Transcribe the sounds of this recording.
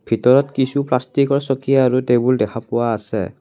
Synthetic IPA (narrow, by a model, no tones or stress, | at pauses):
bʱitɔɹɔtkisuplastikɔɹsɔkijaːɹutebuldɛkʰapʊwaːsɛ̰